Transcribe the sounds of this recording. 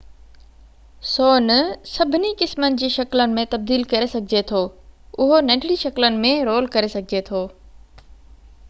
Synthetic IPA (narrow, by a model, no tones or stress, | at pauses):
soːnsɐbʱɪnikɪsmənɪ̆d͡ʑiːʃɐklənɪ̆mẽt̪ɐb̚d̪iːlkɐɾesɐɡʱɪd͡ʑet̪ʰoːʊɦonɐ̃ːɖɪɽiʃɐklənɪ̆mẽɾoːlkɐɾesɐɡʱɪd͡ʑet̪ʰoː